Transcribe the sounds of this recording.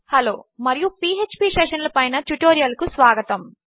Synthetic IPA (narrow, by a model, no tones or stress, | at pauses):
hɐloːmɐɾijupiːet͡ʃpiʃeːʂɐnlɐpɐjnɐʈuʈoːɾijɐlkusʋaːɡɐt̪ɐm